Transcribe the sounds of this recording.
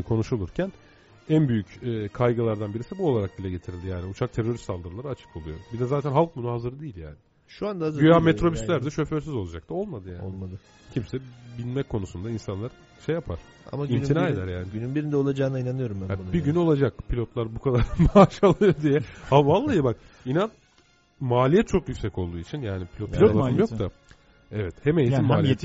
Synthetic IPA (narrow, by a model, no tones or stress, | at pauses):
kʰo̞nuʃulˠuɾcʰæn | ænbyjycɛːkʰajɡalˠaɾd̪anbiɾisibuo̞lˠaɾak̚ɟilʲɛɟe̞t̪ʰiɾilʲd̪ijaːniut͡ʃʰak̚t̪ʰe̞ɾo̞ɾist̪ːald̪ɯɾɯlˠaɾɯat͡ʃʰɯ̥kʰolˠujo̞̰bid̪ɛzaːt̪ʰænɦalˠk̚bunuɦazɯɾɯd̪iːilʲja̰ːnɪ | ʃuand̪aazyjamet̪ɾo̞byslʲæɾd̪ɛʃø̞føɾs̬yzo̞lˠad͡ʒak̚t̪o̞lˠmad̪ɯjaːo̰lˠmad̪ɯ | cʰimsɛbilʲmɛc̚kʰo̞nusund̪ainsanlˠaɾ | ʃejapʰa̰ɾ̥ | a̰maininaːe̞d̪æɾjaːnɪynynbiɾind̪ɛolˠad͡ʒaːnainanɯjo̞ɾumbæabiɟyno̞lˠad͡ʒak̚pʰilʲo̞t̪lˠaɾbukʰad̪aɾmaːʃalˠɯjoɾd̪ijɛavalˠːajɯbak | inan | maːlʲijɛt̪̚t͡ʃʰo̞kjycʲsɛco̞lˠd̪uːit͡ʃʰinjaːnipʰilʲot̪ʰialˠaɯmjo̞t̪ʰa | ɛvɛt̪hemeinmaaːli